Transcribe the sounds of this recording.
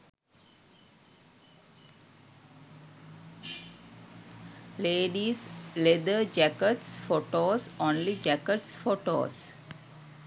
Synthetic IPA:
leːɖisled̪əd͡ʒækəʈsfoːʈoːsõːnlid͡ʒækəʈsfoʈo̰ːs

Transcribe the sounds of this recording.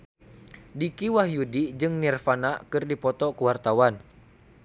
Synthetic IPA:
dikiwahjudid͡ʒɨŋnirfanakɨrdipɔt̪ɔkəwart̪awan

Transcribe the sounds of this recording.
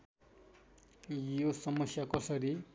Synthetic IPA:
josʌmʌsjakʌsʌɾi

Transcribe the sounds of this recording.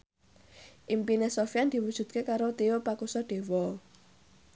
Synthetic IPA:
ʔimpinesofjand̪̥i̤wud̥ʒ̥ṳt̪̚kekaɾot̪eopakusɔɖ̥e̤wɔ

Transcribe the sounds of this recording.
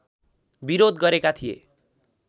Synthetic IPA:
biɾod̪ɡʌɾekat̪ʰijḛ

